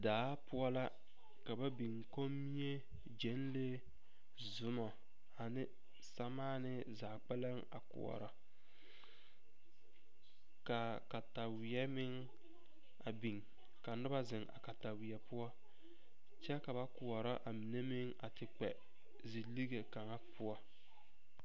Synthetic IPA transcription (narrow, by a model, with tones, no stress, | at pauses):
daː˨˦pʊ˦ɔ˦la˦ | ka˨ba˦bi˨ŋko˦mːi˦e˦ | d͡ʒɛ˨˦nle˦ | zʊ˨mɔ˨ | a˨nɪ˦ | sa˦maː˦nɪ˦ | zaː˨k͡pɛ˦la˦ŋa̰˨kʊ̰˨ɔ̰˨ɾɔ˨ | ka˨ | ka˨ta˨wɪ˨ɛ˦mɪ˦ŋ | a˨bi˨ŋ | ka˨nʊ˦ba˦zɪ˨ŋa̰˨ka˨ta˨wɪ˨ɛ˨pʊ˦ɔ˦ | t͡ʃɛ˦ka˨ba˦kʊ˨ɔ˨ɾɔ˦ʔa˨mɪ˨ne˦mɪ˦ŋa˨tɪ˦k͡pɛ˨ | zi˨li˦ɡe˨ka˨ŋa˦pʰʊ˦ɔ˦